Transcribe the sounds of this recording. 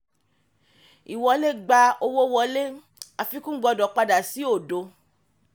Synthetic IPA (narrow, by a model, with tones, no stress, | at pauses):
i˨wɔ˧˦le˦ɡ͡ba˧o˧wo˦wɔ˧le˦ | a˧fi˦kũ˦ɡ͡bɔ˧˨dɔ˨˦k͡pa˧da˨si˨˦o˦˨do˧